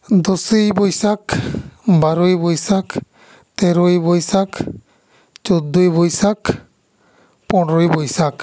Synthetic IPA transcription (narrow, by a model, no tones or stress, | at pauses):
d̪ɔsejbɔjsak | baɾojbɔjsak | t̪ɛɾɔjbɔjsak | t͡ʃɔd̪ːujbojsak | pɔnɾɔjbɔjsak